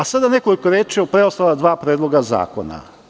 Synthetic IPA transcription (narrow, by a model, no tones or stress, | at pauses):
asad̪anekolikoɾjeːt͡ʃjeopɾeost̪alad̪ʋaːpɾeːd̪loɡaza̰ːko̰na̰